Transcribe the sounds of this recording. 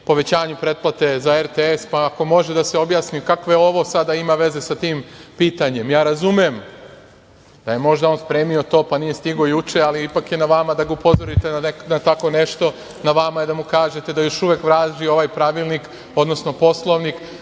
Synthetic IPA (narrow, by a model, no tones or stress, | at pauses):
po̞ʋe̞t͡ɕaːɲupɾe̞d̪̚plˠat̪e̞zaeɾt̪eespaːko̞mo̞ʒe̞d̪aseo̞bjaːsnikakʋe̞o̞ʋo̞sad̪aimaʋe̞ze̞sat̪iːmpiːt̪aɲe̞mjaːɾazumjem | d̪̥aje̞mo̞ʒd̪ao̞ːnspɾe̞ːmio̞t̪o̞ːpanije̞st̪iɡo̞jut͡ʃe̞aliipakje̞naʋamad̪aɡaupo̞zo̞ɾit̪enat̪ako̞ne̞ʃt̪o̞ | naʋamajed̪amukaːʒe̞t̪e̞d̪ajo̞ʃuʋekʋɾaːʒio̞ʋajpɾaʋilˠnik | o̞d̪no̞sno̞po̞slˠo̞ʋnik